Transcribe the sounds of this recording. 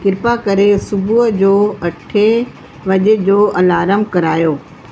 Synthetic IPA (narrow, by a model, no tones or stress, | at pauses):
kɪɾpakɐɾesʊbʱuɦəd͡ʑoːɐʈʰe | ʋɐʄed͡ʑoːʔɐlaːɾəmkɐɾaːjoː